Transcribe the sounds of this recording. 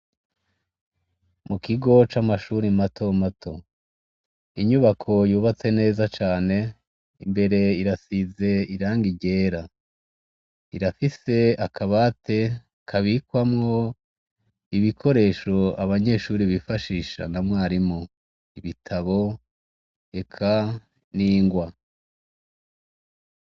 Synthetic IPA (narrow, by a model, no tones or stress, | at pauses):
mukiɡo̞t͡ʃamaʃuːɾimatʰo̞matʰo̞ | iɲuβakʰo̞juːβat͡se̞ne̞ːzat͡ʃaːne̞ | imbe̞ɾe̞iɾasize̞iɾaːŋɡiɟe̞ːɾa | iɾafise̞akʰaβatʰe̞ | kʰaβikwamŋo̞ | iβikʰo̞ɾe̞ːʃo̞aβaɲe̞ʃuːɾiβifaʃiːʃa̰namŋaːɾimo | iβitʰaβo̞ | e̞kʰa | niːŋɡwa